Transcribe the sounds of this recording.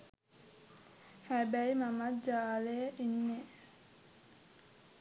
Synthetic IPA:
hæbɛjmamad͡ʒaːleːʔinːe

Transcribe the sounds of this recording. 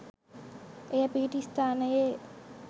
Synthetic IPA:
ejapiːʈist̪aːnəje

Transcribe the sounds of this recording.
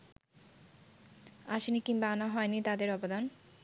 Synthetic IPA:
aʃnikimbaanaɦɔenit̪ad̪eɾɔbod̪an

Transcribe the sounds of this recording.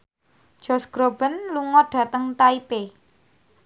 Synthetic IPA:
d̥ʒ̥ɔ̤sɡ̥ɾob̥ə̤nluŋɔɖ̥ä̤t̪əŋt̪aipe

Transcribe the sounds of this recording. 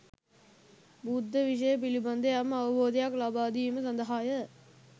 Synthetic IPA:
bud̪ʱːəʋiʂ̬əjəp̬iliband̪ejamːəɐʋɐboːd̪ejaklabaːd̪iːməsɐnd̪əɦaːjə

